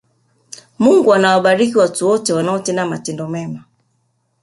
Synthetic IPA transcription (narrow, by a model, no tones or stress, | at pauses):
muŋɡuanawaɓaɾikiwatuwɔtɛwanaɔtɛnamatɛndɔmɛma